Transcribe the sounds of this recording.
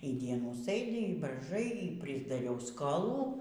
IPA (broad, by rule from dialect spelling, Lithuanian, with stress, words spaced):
iː ˈdʲiɛnuː ˈsɘdʲɪ iː brɐɪˈʒɐɪ iː pʲrʲɪzdɐˈrʲɛʊ skoːˈlˠuː